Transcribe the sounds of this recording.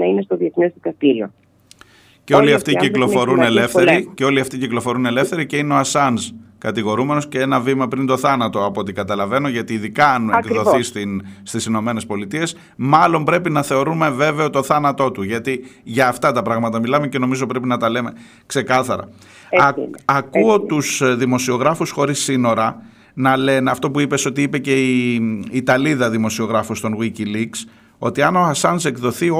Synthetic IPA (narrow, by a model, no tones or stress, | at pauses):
ɐinest̪oðie̞θnezðikɐst̪iɾio | ceo̞liɐft̪iiklo̞fo̞ɾunelefθeɾiceo̞liɐft̪iciklofo̞ɾune̞le̞fθe̞ɾiceineoɐsɐnzkɐt̪iɣo̞ɾume̞no̞sceenɐvimɐpɾind̪o̞θɐnɐt̪o̞ɐpo̞t̪ikɐt̪ɐlɐve̞no̞ʝɐt̪iːðikɐɐnekðo̞θist̪inst̪isino̞me̞ne̞spo̞lit̪ie̞s | mɐlo̞mbɾe̞pinɐθe̞o̞ɾume̞ve̞veo̞t̪o̞θɐnɐt̪o̞t̪uʝɐt̪iʝɐːft̪ɐt̪ɐpɾɐɣmɐt̪ɐmilɐme̞ce̞no̞mizo̞pɾe̞pinɐt̪ɐle̞me̞ | kse̞kɐθɐɾɐ̰ | ɐkuo̞t̪usðimo̞sio̞ɣɾɐfusxo̞ɾisːino̞ɾɐ | nɐle̞neɐft̪o̞puipe̞so̞t̪iipe̞ce̞iː | t̪ɐliðɐðimo̞sio̞ɣɾɐfust̪o̞nɣwiciliks | o̞̰t̪iɐno̞xɐsɐnse̞kðo̞θio